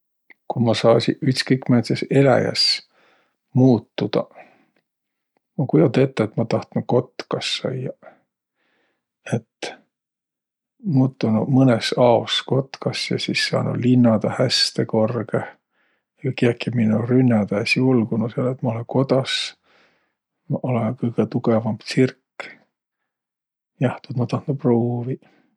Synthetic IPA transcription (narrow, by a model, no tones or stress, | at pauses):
kumɑsɑːsʲḭʔyt̪skɤjkmet̪sese̞læ̰jɑ̰s | muːt̪ːud̪̥ɑ̰ | ɑkuj̪ɑt̪et̪ːˑeet̪ːmɑt̪ɑht̪nuko̞t̪ːkɑsːɑ̰jɑ | e̞t̪ | muːt̪ːunumɤnesɑosko̞t̪kɑsjɑ̰sisːɑ̰ːnʔṵlinːɑd̪̥ɑhæst̪eko̞rɡe | kɑkiɑkːiminurynːɑd̪̥ɑæsʲiulɡunuseɑlːet̪mɑo̞leŋko̞d̪̥ɑs | mɑʔolenkɤjɡ̥et̪uɡ̥evɑmb̥t̪sirkː | jɑht̪ut̪mɑt̪ɑht̪nuproːvi